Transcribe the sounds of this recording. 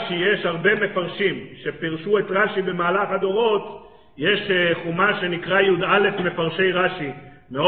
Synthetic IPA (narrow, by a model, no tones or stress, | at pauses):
ʃijeʃhaʁbe̞me̞faʁʃimʃe̞piʁʃuet̪ʁaʃibe̞maːlaχad̪o̞ʁo̞t̪ | jeʃχumaʃe̞nikʁajud̪ale̞fme̞faʁʃe̞jʁaʃimeo